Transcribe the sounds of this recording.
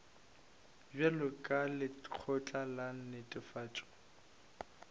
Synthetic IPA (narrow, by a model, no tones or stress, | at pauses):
bɛlʊkʼalɪq͡χʰɔt͡ɬʼalan̩nɪtʼɪfaːt͡ʃʼɔ̥